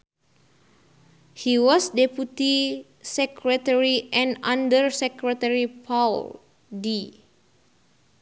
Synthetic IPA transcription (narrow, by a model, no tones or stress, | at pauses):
hiwɔsdeput̪i | sɛkɾɛt̪ɛɹiʔɛ̃nãndərsɛkɾɛt̪ɛɹipʰal | di